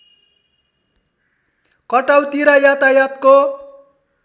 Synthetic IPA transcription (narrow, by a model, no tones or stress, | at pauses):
kʌʈawt̪iɾajat̪ajat̪ko